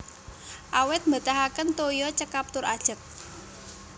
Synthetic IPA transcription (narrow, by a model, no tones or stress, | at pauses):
ʔawɪt̪̚mbə̤t̪aɦakənt̪ojɔt͡ʃəkap̚t̪ʊɾad̥ʒ̥ə̤k̪̚